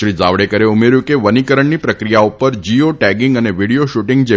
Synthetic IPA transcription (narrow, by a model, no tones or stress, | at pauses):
ʃɾid͡zaʋɽekəɾeumeɾjũkeʋənikəɾəɳnipɾəkɾijaupəɾd͡ʒioʈɛɡɪŋɡəneʋiɽijoʃuʈiŋɡd͡ʒe